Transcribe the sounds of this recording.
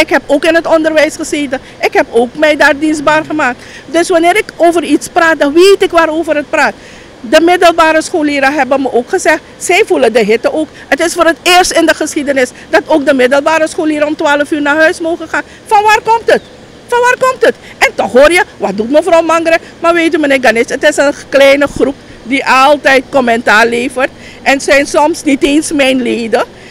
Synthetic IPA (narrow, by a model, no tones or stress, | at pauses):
ɪkɦɛpoːkɪnɦətɔndərʋɛjsχəzeːtə | ʔɪkɦɛpoːkmɛjdaːrdinzbaːrχəmaːk̚tdɵsʋanɪːɾɪkoːvəritspraːt̚dɑnʋeːtɪkʋaːɾoːvərɦət̚praːt | dəmɪdəlˠbaːɾəsxoːliːɾəɦɛbənməʔoːkχəzɛχtsɛjfulədəɦɪtəʔoːk | ətɪsfoːrətɪːərstɪndəχəsxidənɪs | dɑtoːk̚dəmɪdəlˠbaːɾəsχoliːɾəɔmtʋaːləfyːɹnaːɹɦœɥsmoːχəχaːn | fɑnʋaːrkɔmtət | fɑnʋaːrkɔmtət | ʔɛntɔχɦoːrjəʋɑt̚dutməfrɔwmɑŋɡəɾə | maːɹʋeːt̬ymənɪːɡanɪsətɪsənklɛjnəχrup | diʔɑlˠtɛjtkɔmɛntaːrleːvərt | ʔɛnsɛjnsɔmsniteːnsmɛjnleːdə